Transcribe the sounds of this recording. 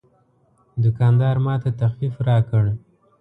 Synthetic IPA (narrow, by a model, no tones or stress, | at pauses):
d̪ʊkɑnd̪ɑɾmɑt̪at̪axfifɾɑkəɽ